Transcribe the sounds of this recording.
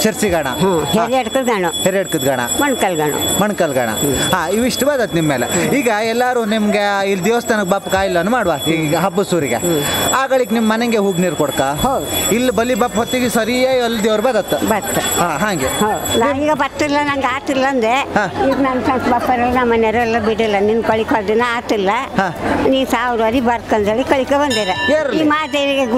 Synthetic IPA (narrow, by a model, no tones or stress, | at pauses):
t͡ʃɐɾt͡ʃiɡaːɳa̰ɦaheɾiɐɽkɨd̪ɡaːɳuheɾijɐɽkɨd̪ɡaːɳa̰mɐɳkɐlɡaːɳṵmɐɳkɐlɡaːɳa̰ɦaːiʋiʂʈbaːd̪ɐt̪ːnimːeːleiːɡɐɛlːaɾuːnimɡeilːd̪eːʋɐst̪enɐɡbaːpːkaːjilːɐnːumaːɽʋaːiːɡɡɐɦɐbːusuːɾiɡḛaːɡɐɭikːnimɐmɐneŋɡeɦuːɡniːɾkɔɽkaːɦod̪ilːbɐlːibaːpɦot̪ːiɡesɐɾiaːjɐlːd̪eʋɾbɐd̪ɐt̪ːubɐɾt̪ːuɦaːɦaːŋɡeɦowd̪unaːiːɡɐbɐɾt̪ilːɐnɐŋɡaːt̪ilːɐːnd̪ehãːid̪nɐmsɐnsbɐpːɐɾɐlːnɐmːɐneɾɐlːɐbiɽilːɐninkɐɭikaːd̪inːɐaːt̪ilːɐɦãːniːsaːʋɾʋɐɾibɐɾt̪kɐnd͡ʒɐɭikɐɭikebɐnd̪iɾejeːɾiːmaːd̪ejʋiɡe